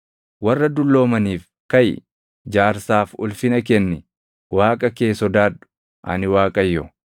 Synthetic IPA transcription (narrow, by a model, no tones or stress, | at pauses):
wɐrːɐd̪ʊlːo̞ːmɐniːf | kɐj | d͡ʒaːɾsaːfʊ̰lfɪnɐk̬ɛnːɪ | waːkʼɐke̞ːsɔd̪aːdʊ̥ | ʔɐ̰nɪwaːkʼɐjːɔ̰